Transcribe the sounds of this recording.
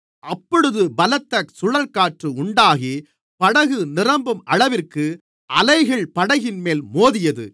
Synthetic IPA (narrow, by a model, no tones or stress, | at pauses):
ʔɐpːɔɽɯðɯbɐlɐt̪ːɐk̚sʊɻɐlkaːʈrɯʊɳɖaːɣi | pɐɽɐɣɯnɪrɐmbɯmɐɻɐʋɪrkɯ | ʔɐlɐɪɣɐɭpɐɽɐɣɪnmeːlmoːðɪjɐðɯ̰